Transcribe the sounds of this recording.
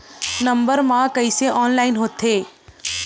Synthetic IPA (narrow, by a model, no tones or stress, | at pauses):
nəmbəɾmãkəɪseʔɔːnlaɪnɦoːt̪ʰɦeː